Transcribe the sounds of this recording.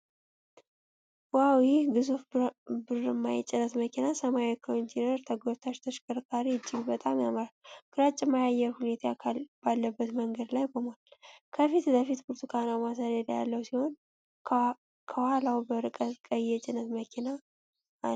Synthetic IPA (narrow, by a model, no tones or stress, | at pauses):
wawijhɡɨzufbɨrɨmːajt͡ʃʼɪnət̪məkʰinasəmajekʰont̪ʰenəɾt̪ʰəɡot̪ʰaʃt̪ʰəʃkʼɨɾkʰʼaɾiɨd͡ʒːɪɡbət̪ʼamjaməɾalkʰʼɨɾat͡ʃʼːɪmːajajːɛɾhune̞t̪ʰajakʰalb̥alːəbːət̪məŋɡəd̪lajbəmalkʰəfit̪bəfit̪buɾt̪ʰukʰanawmas̬ad̪əlja̰lːəwsiho̞n | kʰəwalawbəɾɨkʼət̪kʼəjːɛt͡ʃʼɪnːət̪məkʰinaː